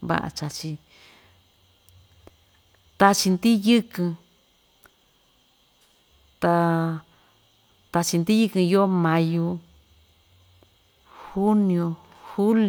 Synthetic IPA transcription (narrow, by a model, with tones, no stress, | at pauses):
βa̰˦˧ʔa̰˧t͡ʃa˧t͡ʃi˧ | t̪a˧t͡ʃi˧nd̪i˦jɨ˦kɨ̃˧ | t̪a˧ | t̪a˧t͡ʃi˧nd̪i˦jɨ˦˧kɨ̃˧jo˦mã˧ju˧ | hu˦nĩ˧õ˧ | hu˦l